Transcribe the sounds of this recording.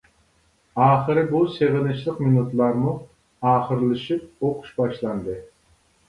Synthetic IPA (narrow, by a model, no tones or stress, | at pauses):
ɑːχɨɾɪbuseʁɪnɨt͡ʃlˠəqminut̪lˠɑɾmu | ɑːχəɾlˠɨʃip̚oqʰu̥ʃbɑʃlˠɑnd̪ɨ